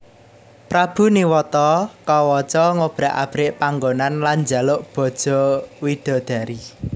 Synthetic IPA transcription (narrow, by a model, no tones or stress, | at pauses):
pɾab̥ṳniwɔt̪ɔkɔwɔt͡ʃɔŋob̥ɾa̤ʔa̰b̥ɾɪʔpaŋɡonanland͡ʒalʊʔb̥ɔ̤̥ʒ̥ɔ̤wid̪̥ɔ̤d̪̥a̤ɾi